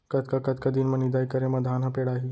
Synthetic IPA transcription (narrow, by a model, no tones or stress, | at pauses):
kət̪kakət̪kəd̪inmənid̪ajkəɾẽmɐd̪ʱanapeɽaɦi